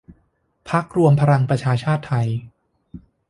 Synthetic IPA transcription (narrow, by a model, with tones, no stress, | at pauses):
pʰa˦˥k̚ɾu˧əmpʰa˧ɾa˧ŋpɾa˧t͡ɕʰaː˧t͡ɕʰaː˥˩t̪ʰːa˧j